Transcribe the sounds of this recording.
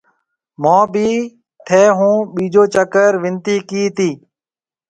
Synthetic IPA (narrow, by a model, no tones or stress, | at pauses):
mãːbʱiː | t̪ʰeːɦũːɓiːd͡ʒoːt͡ʃəkəɾʋɪnt̪iːkiːt̪iː